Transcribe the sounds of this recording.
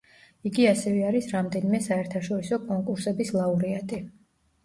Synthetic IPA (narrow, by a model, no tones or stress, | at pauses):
iɡiasɛvɛaɾisɾamd̪ɛnimɛsaɛɾt̪ʰaʃɔɾisɔkʼɔŋkʼuɾsɛbislˠauɾiat̪ʼi